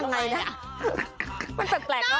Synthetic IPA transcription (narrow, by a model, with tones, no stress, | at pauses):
ŋa˧jna˦˥ | ma˧npɯ˨˩k̚plɛː˨˩k̚la˦˥